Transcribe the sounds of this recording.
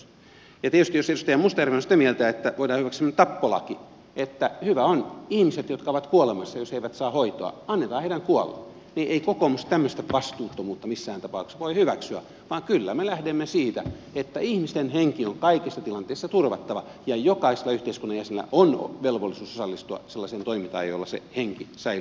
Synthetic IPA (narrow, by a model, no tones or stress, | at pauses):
jɑt̪iet̪yst̪ijoseust̪eijæmust̪ɑjærʋeosit̪æmielt̪æet̪ːæʋoidɑːhyʋæksymnːæt̪ɑpːolɑ̰ki | et̪ːæhyʋæonihmiset̪jot̪kɑoʋɑt̪kuolemɑsːɑjosheiʋæt̪sɑːhoit̪o̰ɑ̰ɑnːet̪ɑːheiɾæŋkuolːḛ | niʔeikokomust̪æmːøst̪æʋɑst̪uːt̪ːomuːt̪ːɑmisːæːnt̪ɑpɑuksʋoihyʋæksyæ̰ | ʋɑːŋkylːæmelæhdemːesiːt̪æet̪ːæihmist̪enheŋkioŋkɑikisːɑt̪ilɑnt̪eːst̪ːɑt̪urʋɑt̪ːɑʋɑ | jɑjokɑiselɑyht̪eiskunːɑjæselːæ̰ʔono̰ʋelʋolːisuːsosɑlːist̪uɑ̰selːɑsent̪oimint̪ɑ̰ːjjo̰lːɑsḛheŋkisɑi